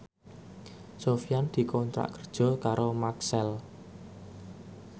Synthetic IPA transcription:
sofijand̪̥i̤kɔnt̪ɾa̰ʔkərd̥ʒ̥ɔ̤kaɾʔomaksɛl

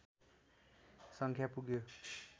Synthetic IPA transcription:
sʌŋkʰjapuɡjo

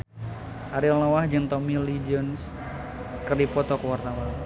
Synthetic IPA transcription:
ʔaɾilnɔwahd͡ʒɨŋt̪ɔmilid͡ʒɔns | kɨrdipɔt̪ɔkəwart̪awan

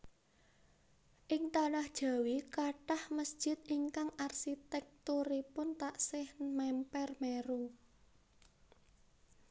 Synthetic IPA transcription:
ʔɪŋt̪anahd̥ʒ̥a̤wikaʈahməsd̥ʒ̥ɪt̪̚iŋkaŋarsit̪ɛk̚t̪uɾipʊnt̪aʔsɪhmɛmpɛrmɛɾu

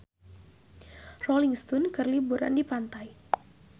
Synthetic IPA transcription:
rɔlɪŋst̪ʊnkərlibuɾa̰ndipant̪aj

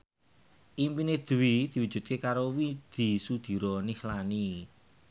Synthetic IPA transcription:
ʔimpined̪̥uwid̪̥i̤wud̥ʒ̥ṳt̪̚kekaɾowid̪̥i̤sud̪̥i̤ɾɔnihlani

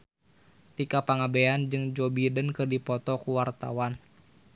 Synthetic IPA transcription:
t̪ikapaŋabeand͡ʒɨŋd͡ʒɔbidənkɨrdipɔt̪ɔkuwart̪a̰wan

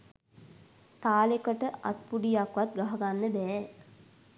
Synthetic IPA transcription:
t̪aːlekəʈəʔa̰t̪̚puɖijakʋat̪̚ɡaɦaɡanːəbɛː

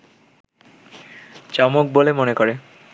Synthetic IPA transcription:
t͡ɕɔmok̚bolemonekoɾe

